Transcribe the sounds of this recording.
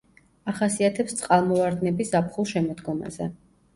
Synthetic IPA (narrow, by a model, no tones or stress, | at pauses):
aχasiat̪ʰɛpst̪sʼqʼalˠmɔvaɾd̪nɛbisapʰχulˠʃɛmɔd̪ɡɔma̰zɛ̰